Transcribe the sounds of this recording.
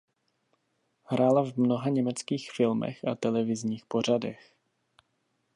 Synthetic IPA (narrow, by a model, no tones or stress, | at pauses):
hɾʔaːlavmno̞ɦaɲɛmɛt͡skiːxfɪlmɛ̰xat̪ɛlɛvɪzɲiːxpo̞r̝adɛx